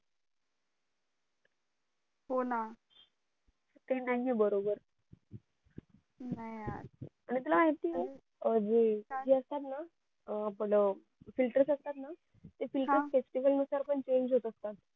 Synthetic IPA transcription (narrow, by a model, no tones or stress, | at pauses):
ɦona | t̪enaiebəɾobəɾ | najaaɽ̃it̪ulaaɦit̪t̪i | əd͡ʑed͡ʑiəst̪at̪na | apələ | filʈəɾsək̚t̪at̪na | t̪efilʈəɾfesʈiʋəlnusaɾpəɳt͡ɕeɲd͡ʑɦot̪əskat̪